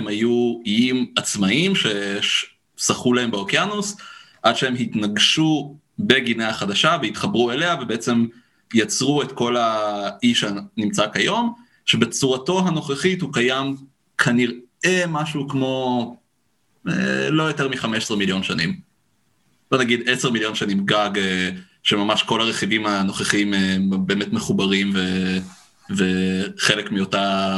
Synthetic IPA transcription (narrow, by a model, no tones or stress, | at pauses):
emhajuijimat͡smaimʃe̞ʃ | saχulaɦe̞mbeokjanus | ʔadʃeemhit̪naɡʃu | be̞ɡineaχadaʃaveitχabʁuele̞avebeet͡se̞m | jat͡sʁue̞t̪ko̞laiʃanimt͡sakajo̞m | ʃebe̞t͡suʁato̞ɦano̞χeχithukajam | kʰaniʁe̞maʃukmo̞ | ḛlo̞jo̞te̞ʁmiχameʃsʁemiljo̞nʃanḭm | b̥o̞naɡid̪eseʁmiljo̞nʃanimɡaɡ | ʃemamaʃko̞laʁeχivimano̞χeχimebe̞ːmetmeχubaʁimve | veχelekmio̞ta